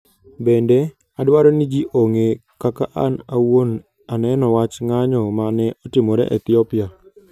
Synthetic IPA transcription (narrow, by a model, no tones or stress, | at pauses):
bɛndɛ | adwaɾɔnid͡ʒiʔoŋekakaʔanawon | anɛnɔwat͡ʃŋaɲɔmanɛʔɔtɪmɔɾɛ̰ʔɛt̪iɔpɪa